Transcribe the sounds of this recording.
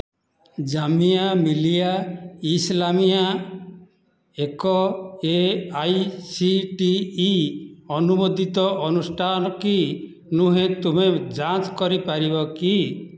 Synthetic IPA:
d͡ʒamijamilijaislamija | ekɔeajsiʈiː | ɔnumod̪it̪ɔʔɔnusʈʰanɔki | nuɦẽt̪umed͡ʒat͡ʃkɔɾipaɾibɔki

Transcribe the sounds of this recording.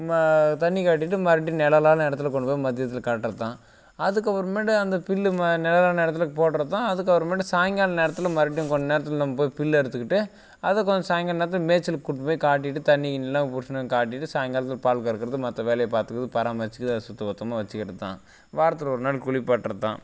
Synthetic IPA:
mt̪ɐɳːikaːʈ̬ːɪʈːɯmɐɾɪʈ̬ːjĩnɛlɐlaːlɐnɛɽɐt̪ːɪlɐk̬ɔɳɖɯpoːimɐd̪ɪjɐt̪ːɪlkaːʈːɾɐt̪ːãː | ɐðɯkːɐʋɐɾɐmeːɽɐɐnd̪ɐpɪlːmnɛlɐlaːlɐɛɾɐt̪ːɪlɐkːpoːʈːɾɐt̪ːãːɐðɯkːɐʋɐɾɐmeːɽɐsaːŋɡaːlɐneːɾɐt̪ːɪlɐmɐɾɪʈ̬ːj̃kɔnd͡ʒɐneːɾɐt̪̬ːɯllãːpoːjipɪlːɛɾɯt̪ːɯkːɪʈːɯ | ɐðɐkːɔnd͡ʒɐsaːjŋɡaːneːɾɐt̪̬ːɪlmeːt͡ʃːɪlkkːʊʈːpoːjikaːʈ̬ːɪʈːɯt̪ɐnːinɪlːãːpʊɾʂɐnɐkaːʈ̬ːɪʈːɯsaːjŋɡaːlɐt̪ːɯɪlpaːɭkɐɪɾɯkːɪɾɐðɯmɐt̪ːɐʋeːlɐjɐpaːɾt̪ɯkɾɐðɯpɐɾaːmʋɐt͡ʃːɯkːðɐðsʊt̪ːɐbɐt̪ːɐmaːʋɐt͡ʃːɯkɪɾɐðɯt̪ã̰ː | ʋaːɾɐt̪ːɯlɔɾɯnaːɽkʊɭɪpːaːʈːɾɐt̪ːã̰ː

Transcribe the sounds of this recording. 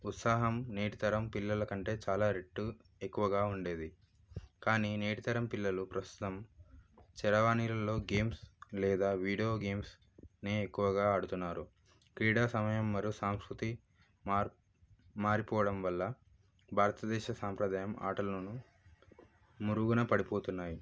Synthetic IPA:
ut̪saːɦɐmneːʈit̪ɐɾɐmpilːɐlɐkɐɳʈe̞ːt͡ʃaːlaːɾeʈːu | ekːuʋɐɡaːuɳɖe̞ːd̪i | kaːnineːʈit̪ɐɾɐmpilːɐlupɾɐst̪u̥t̪ɐm | t͡ʃɛɾɐʋaːnilɐlo̞ːɡe̞ːmslɛːd̪aːʋiːɽijo̞ːɡe̞ːms | neːekːuʋɐɡaːɐɽut̪unːaːɾu | kɾiːɽaːsɐmɐjɐmːɐɾiusaːmskɾut̪i | maːɾipɔːʋɐɽɐmʋɐlːɐ | bʱaːɾɐt̪ɐd̪ɛːʃɐsaːmpɾɐd̪aːjɐma̰ːʈɐlɐnu | muɾuɡunɐpɐɽipo̞ːt̪unːaːji

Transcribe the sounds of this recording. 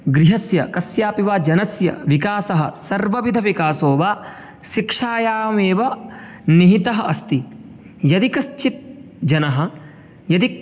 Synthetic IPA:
ɡɾiɦɐsjɐkɐsjaːpiʋaːd͡ʒɐnɐsjɐ̰ʋikaːsɐɦɐsɐɾʋɐʋid̪ʱɐʋikaːsoːʋaː | ʃikʂaːjaːmeːʋɐ | niɦit̪ɐɦɐɐst̪i | jɐd̪ikɐst͡ʃit̪̚ | d͡ʒɐnɐɦɐ̆ | jɐd̪i

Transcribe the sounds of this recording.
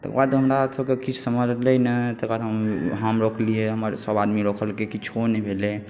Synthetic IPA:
t̪ə̰kbad̪ɦəmɾasəb̚kekit͡ʃʰsəməd͡ʒlɛnət̪əkbad̪əmɦamɾokʰlieɦəməɾsəbad̪miɾokʰəlkekit͡ʃʰonebʱele

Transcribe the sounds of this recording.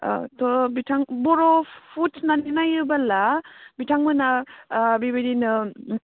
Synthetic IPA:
tɔbitʰaŋbɔɾɔpʰutnaninajɯbalabitʰaŋmɯnabibiɾinɯ

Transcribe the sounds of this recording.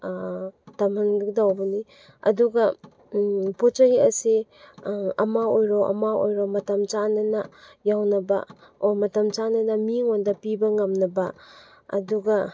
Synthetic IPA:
tɐmɐnɡdawbɐni | ɐ̰duɡɐ | pot͡ʃɐiɐsi | ɐmaojɾoʔɐ̰mao̰jɾomɐtɐmt͡ʃanɐnɐjawnɐbɐ̰omɐtɐmt͡ʃanɐnɐmiŋondɐpibɐŋɐmnɐbɐ | ɐ̰duɡɐ

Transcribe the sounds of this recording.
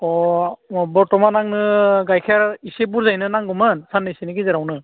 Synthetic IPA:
ɔ | bɔɹtɔmanaŋnɯɡajkʰɛɹisebuɹzajnɯnaŋɡɔmɯnsanːɯjsinikizɛɾawnɯ

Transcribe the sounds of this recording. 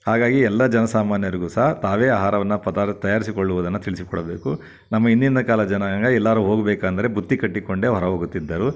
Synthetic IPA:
haːɡaːɡiɛlːɐd͡ʒɐnɐsaːmaːnjɐɾiɡusɐɦɐt̪aːʋeːaːɦaːɾɐʋɐnːɐpɐd̪at̪ɐjaːɾisikoɭːuʋɐd̪ɐnːɐt̪iɭisikɔɽɐbeːku | nɐmːɐind̪ind̪ɐkaːlɐd͡ʒɐnɐŋɡɐɛlːaːɾuːɦoːɡɐbɛːkaːnd̪ɐɾe̞but̪ːikɐʈːikoɳɖe̞ːʋɐɾɐʋoːɡut̪ːid̪ːɐɾu

